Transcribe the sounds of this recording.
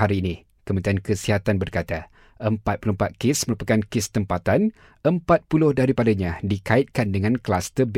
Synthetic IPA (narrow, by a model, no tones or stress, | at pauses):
aɾiːnĩ | kəmənt̪ɾiankəsiɦat̪anbərkat̪a | ʔəmpat̪̚pulʊmpat̪̚kɪsməɾupakankɪst̪əmpat̪an | ʔəmpat̪̚pulʊhdaɾipadaɲãdikaɪt̪̚kandəŋãnklast̪əb